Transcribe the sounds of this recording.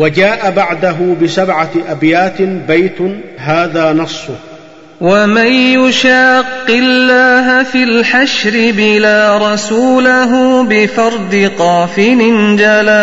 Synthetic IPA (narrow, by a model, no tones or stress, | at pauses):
wad͡ʒaːʔabaʕd̪aɦʊbɪsabʕaʔabjaːt̪bajt̪ʊɦaːðaːnɑsˤːʊ | wamanjʊʃaːqːɪlːaːɦafilħaʃɾɪbɪlaːɾˤɑsuːlaɦʊbɪfɑɾˤd̪ɪqɑːfɪnɪnd͡ʒalaː